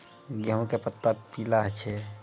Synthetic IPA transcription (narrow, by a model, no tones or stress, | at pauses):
ɡəɦõkepət̪ːəɾpiːlaɦt͡ʃʰe